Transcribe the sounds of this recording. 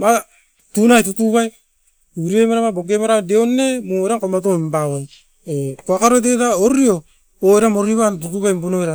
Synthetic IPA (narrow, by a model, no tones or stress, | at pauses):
ma | tunajtutuɡaj | uɾiemaɾamaboɡemaɾadeonːemueɾaŋkomat̬ombawaj | ekoakaɾodetaoɾio | oeɾamoɾiβantutuɡajmbunoeɾa